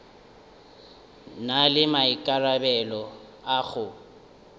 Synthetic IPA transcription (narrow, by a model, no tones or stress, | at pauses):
nalɪmaikʼarabɛlɔ | aɣʊ